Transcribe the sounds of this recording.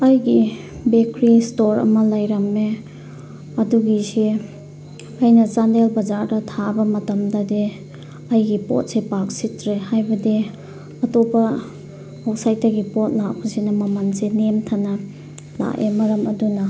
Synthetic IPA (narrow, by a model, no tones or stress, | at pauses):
ɐjɡi | bekɾistoɾɐ̰mɐlɐjɾɐme | ɐduɡisi | ɐjnɐt͡ʃandelbɐzaɾdɐtʰabɐmɐtɐmdɐde | ɐjɡipo̰t̚sepak̚sitɾehajbɐde | ɐtobɐː | wsajtɐɡipot̚lak̚pɐsinɐmɐmansenemtʰanɐ | la̰ʔemɐɾɐmɐdunɐ